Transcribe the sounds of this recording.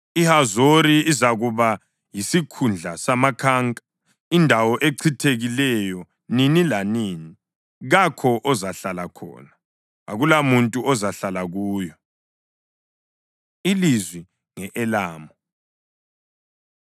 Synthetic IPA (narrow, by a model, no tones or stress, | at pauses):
ihazoɾiizaɣuβa | jisikʰund͡ɮʱasamakʰaːŋkʼḁ | indʱawɔʔeǀʰitʰeɣilɛjɔ | ninilaniːni | ɣakʰɔʔɔzaɬalakʰɔ̰ːna | a̰ɣulamuntʼuɔzaɬalaɣuːjɔ | ilizwi | ŋɛʔɛlaːmɔ